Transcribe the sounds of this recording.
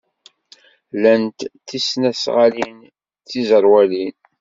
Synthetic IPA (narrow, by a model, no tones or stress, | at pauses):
lænt̪θisnæsʁalin | θizəɾˤwælin